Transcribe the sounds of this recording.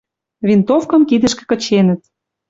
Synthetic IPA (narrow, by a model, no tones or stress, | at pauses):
vʲint̪ofkɤ̆mkid̪ə̆ʃkĕ̥kɤ̆t͡ɕenə̆t̪